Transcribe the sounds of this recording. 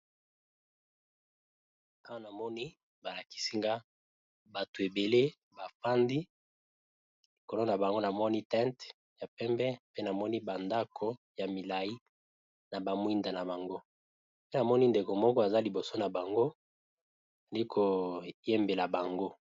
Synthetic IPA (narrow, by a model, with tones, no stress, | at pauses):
a˦wa˦na˨mɔ˦ni˦ | ba˨la˨ki̥˦si˦ŋɡa˦ | ba˨to˨e˨be˨le˦ | ba˨fa˦ndi˦ | li˨ko˨lo˦na˨ba˨ŋɡo˦na˨mɔ˦ni˦tɛ̃˦nt | ja˨pɛ˦mbɛ˦pe˦na˨mɔ˦ni˦ba˨nda˦kʰo˦ | ja˨mi˨la˨ji˦ | na˨ba˨mwi˦nda˨na˨ba˨ŋɡo˦ | pe˦na˨mɔ˦ni˦nde˨ko˨mɔ˦kɔ˦a˨za˦li˨bo˨so˦na˨ba˨ŋɡo˦ | a˨li˦kʰo˨je˦mbe˨la˨ba˨ŋɡo˦